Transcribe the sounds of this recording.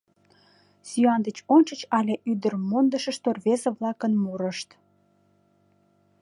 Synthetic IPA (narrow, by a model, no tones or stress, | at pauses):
syɑnd̪ət͡ɕont͡ɕət͡ɕɑlʲeʔyd̪ərmond̪əʃə̆ʃt̪orβezə̆βlɑkənmuɾəʃt̪